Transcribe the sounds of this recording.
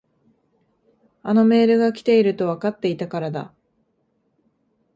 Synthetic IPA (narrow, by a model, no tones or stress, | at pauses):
ano̞me̞ːɾɯ̟ɡakʲi̥t̪e̞iɾɯ̟t̪o̞βakat̪ːe̞it̪akaɾad̪a̰